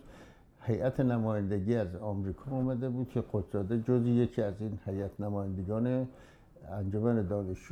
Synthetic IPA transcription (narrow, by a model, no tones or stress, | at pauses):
hejʔæt̪ʰenæmɒːjænd̪eɡiːæzɒːmɾiːkʰɒːmæd̪ebuːd̪̥̚kʰeqod̪zɒːd̪ed͡ʒozijecʰiːæziːnhejæt̪ʰnæmɒːjænd̪eɡɒːne | ænd͡ʒomæned̪ɒːneʃ